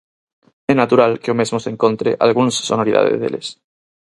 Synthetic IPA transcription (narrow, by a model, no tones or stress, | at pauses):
enat̪uɾalkeomezmoseŋkont̪ɾḛʔa̰lɣ̞unssonoɾiða̰ðḛzðḛles